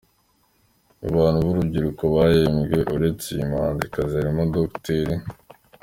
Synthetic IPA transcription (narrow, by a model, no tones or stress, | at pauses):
aβaːn̤huβuɾubɟiɾukoβajemɡe̞ʔuɾe̞t͡sejimaːndikaziaɾimodokteɾi